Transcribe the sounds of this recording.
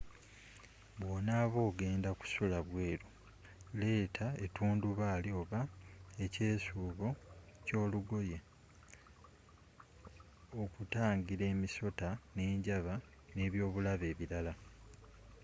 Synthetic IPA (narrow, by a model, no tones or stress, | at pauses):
βwoːnaβo̞ːɡe̞ːndaku̥sulaβwe̞ːɾu | le̞ːtʰaetuːnduβaːlio̞βaece̞ːsuːβo̞co̞ːluɡo̞je | okutaːɲɡiɾe̞ːmiso̞tane̞ːɲɟaβa | ne̞ːβjo̞ːβulaβe̞ːβiɾala